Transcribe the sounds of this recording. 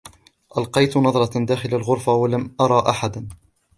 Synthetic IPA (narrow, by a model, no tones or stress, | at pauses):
ʔalqɑjt̪nɑðˤɾˤɑd̪aːxɪlalɣʊɾfawalamʔɑɾˤɑːʔaħad̪a